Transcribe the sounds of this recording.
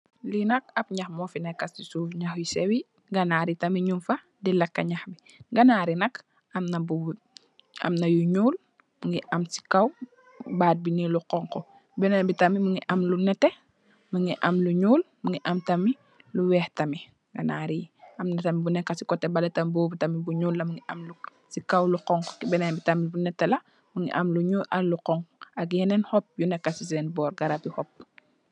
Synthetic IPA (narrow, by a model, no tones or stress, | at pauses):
linɐk̚ɐpɲɐxmɔfinɛkːɐsisuːfɲɐxjisɛwi | ɡɐnaːɾitɐmiɲumfɐ | dilɐkːɐɲaxbi | ɡɐnaːɾinɐk | ɐmnɐbu | ɐ̰mnɐjuɲuːl | muŋɡiʔɐmsi̥kɐw | baːd̚binɛluqɔŋkɔ | bɛnɐnbitɐmimuŋɡiʔɐmlunɛtːɛ | mɐŋiʔɐmluɲuːl | muŋɡiʔɐmtɐmi | luwɛːhtɐmi | ŋɡɐnaːɾiɐmnɐtɐmibunɛkːɐsikɔtːɛbɐlɛtɐmbɔːbitɐmibuɲuːlːɐmuŋɡiʔɐmlu | sikɐwluqɔŋkɔkibɛnɛnbitɐmibunɛtːɛlɐ | muŋḭʔɐmluɲuːʔɐlluqɔŋɐkjɛnɛnhɔp̚junɛkːasisɛnbɔːrɡɐɾɐpihɔp̚